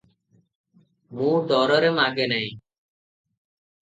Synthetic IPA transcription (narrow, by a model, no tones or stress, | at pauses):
mũːɖ̪ɔːɾəɾemaːɡeːnəĩː